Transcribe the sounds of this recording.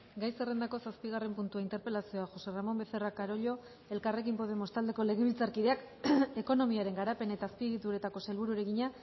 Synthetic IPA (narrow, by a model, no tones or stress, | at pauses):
ɡajse̞re̞nd̪ako̞saspiɣ̞are̞mpunt̪uaint̪e̞ɾpe̞lasio̞aʝo̞se̞ramo̞mbe̞θe̞rakaɾo̞ʎo̞ | e̞lkare̞k̬impo̞ðe̞mo̞st̪ald̪e̞ko̞le̞ɣe̞β̞ilt͡saɾkiðe̞ak | e̞ko̞no̞miaɾe̞ŋɡaɾape̞ne̞t̪aːspiɣit̪uɾe̞t̪ako̞selβuɾuɾe̞ɣiɲa